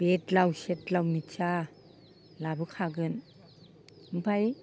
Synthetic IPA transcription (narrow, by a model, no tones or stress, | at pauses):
b̥etlawsetlawmit͡ʃʰa | labɯkʰaɡɯn | mpʰaj